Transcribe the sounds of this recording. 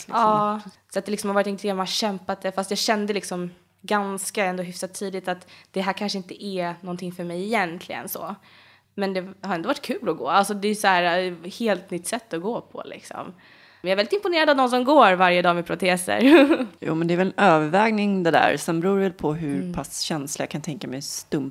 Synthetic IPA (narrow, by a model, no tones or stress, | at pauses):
lɪɑː | sɔat̪̚d̪ɛlɪksɔmhavɑːɾɪt̪ɪnt̪ʰːɾmanaɕɛmpat̪̚d̪ɛfast̪jɑːɡɕɛnd̪əlɪksɔm | ɡanskaɛnd̪oːɦʏfsat̪ʰːiːd̪ɪt̪at̪d̪̥ɛɦæːɾkʰanʂəɪnt̪əʔɛnɔnt̪ʰɪŋfœɾmɛjɪjɛnt̪ʰlɪɡə̰nsɔ̰ | mɛnd̪ɛhaɾɛnd̪oːvaʈ̚ːkʰʉ̟ːlɔɡoːalsɔd̪ɛjsɔhæːɾheːlt̪nʏt̪ːsɛt̪ːɔɡoːpʰɔ̰lʔɪ̰ksɔ̰m | jaɾvɛlɪt̪ɪmpʊneːɾad̪avnɔnsɔmɡoːɾvaɾjəd̪ɑːmɛpʰɾʊt̪ʰeːsə̰ɾjṵːmɛnd̪ɛːɾvɛlɛnøːvəɾvɛːɡnɪŋd̪ɛd̪æ̰ɾsɛnbɛɾuːɾvɛlpʰɔɦɵɾpʰasɕɛnslaja̰kʰant̪ʰɛŋkamɛjst̪ɵm